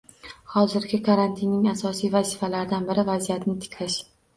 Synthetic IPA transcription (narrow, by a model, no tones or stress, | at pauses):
hɒzɪɾɡʲɪkʰaɾant̪ʰinːɪŋasɒsijvazifalaɾd̪anbɪɾɪvazijat̪nɪt̪ʰɪ̥kʰʲlɪʃ